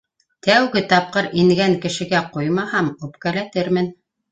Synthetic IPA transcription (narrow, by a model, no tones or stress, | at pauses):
t̪æwɡɘt̪ɑp̚qɤɾiŋɡæŋkɘ̆ʃɘ̆ɡæqujmɑhɑmupkælæt̪ɘɾmɘn